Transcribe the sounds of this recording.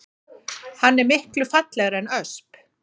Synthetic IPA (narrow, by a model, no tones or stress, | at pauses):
hanːɛɾmɪhklʏfat̪lɛɣɾɛnœsp